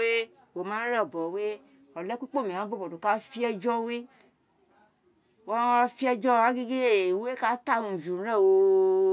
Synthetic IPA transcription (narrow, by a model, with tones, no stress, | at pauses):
e˦ | wo˨mã˨˦ɾɛ˦˨bɔ˨we˦ | ɔ˨lɛ˦ku˦k͡po˦˨mẽ˨ã˨˦bo˦bɔ˨do˨ka˦fi˦ɛ˧d͡ʒɔ˦we˦ | wa˦a˦fi˦ɛ˧d͡ʒɔ˦a˦ɡe˦ɡe˦e˦˨we˦ka˦ta˦˨nũ˨d͡ʒu˨˦ɾɛ̃˦˨wo˧